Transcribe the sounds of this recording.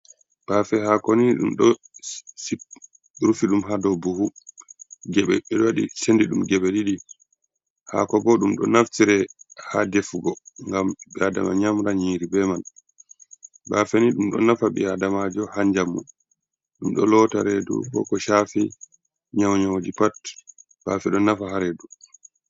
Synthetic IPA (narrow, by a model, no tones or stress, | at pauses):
b̥afɛhakoniɗṵmɗɔ | si | ɾufiɗumɦadɔbuhu | ɡɛɓɛ̰ɓɛɗɔwaɗḭsendiɗumɡɛɓɛɗiɗi | ha̰kɔbɔɗumɗɔ̰naftiɾɛhadefuɡɔŋɡamɓɛada̰ma̰ɲamɾaɲiːɾibɛmal | baːfeniɗumɗɔ̰nafaɓɛ̰adamad͡ʒɔhaɲd͡ʒamːṵ | ɗumɗɔ̰lɔtaɾɛdṵbɔ̰kɔʃafɛ | ɲawɲawd͡ʒipat | b̥aːfɛɗɔnafaɦaɾɛdu